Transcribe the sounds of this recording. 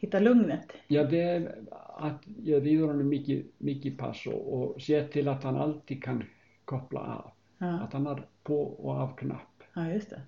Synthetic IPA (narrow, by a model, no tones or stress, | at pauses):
hit̪alɵŋnɛt̪jaːðɪɛa̰t̪jɛɾviːðʏɾanːʏmːɪːcɪmɪːcɪpʰa̰sːɔ̰ɔɣsjɛːt̪ʰɪlat̪hana̰lt̪ikʰan | kʰɔhpla̰a̰ːv | aðt̪hanːaɾpʰɔɔ̰ɣavkʰna̰hpːjʏst̪ɛ